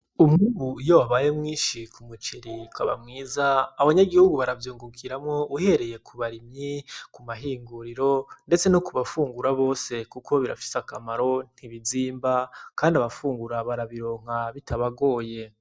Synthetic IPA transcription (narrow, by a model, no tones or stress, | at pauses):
umŋuːβujoaβajemŋiːʃikumut͡ʃeɾikwaβa̰mŋiːzaːβaɲaɡihuɡuβaɾavjuːŋɡukʰiɾamŋo̞uhe̞ɾe̞jekʰuβaɾimɲikumaɦiːŋɡuɾiɾo̞nde̞t͡se̞nukuβafuːŋɡuɾaβo̞ːse̞kukʰo̞βiɾa̰fi̥sakamaɾo̞n̥hiβiziːmbakaːndiaβafuːŋɡuɾaβaɾaβiɾo̞ːŋ̥aβitʰaβaɡo̞ːje̞